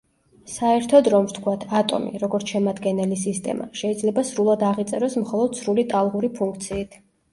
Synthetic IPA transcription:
saɛɾt̪ʰɔd̪ɾɔmst̪ʰkʰwat̪ʰat̪ʼɔ̰mḭɾɔɡɔɾt̪sʰʃɛmad̪ɡɛnɛlisist̪ʼɛ̰ma̰ʃɛid̪zlɛbasɾulˠad̪aʁit̪sʼɛɾɔsmχɔlˠɔd̪̥sɾulit̪ʼalˠʁuɾipʰuŋkʰt̪sʰiːt̪ʰ

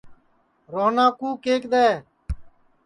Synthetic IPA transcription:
ɾoːnãːkuːkeːkd̪ɛː

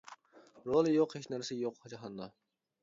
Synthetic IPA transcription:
ɾolˠɨjoqhet͡ʃnæɾsɛjoqhɑd͡ʒɑɦɑnd̪ɑ

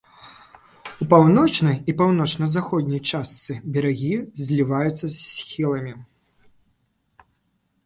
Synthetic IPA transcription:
upawnɔt͡ʂnɐjipawnɔt͡ʂnɐzaxɔd̪ʲnʲijt͡ʂast̪sɨbʲɛɾaɣʲizʲlʲivajut̪sːɐsːʲxʲilˠɐmʲi

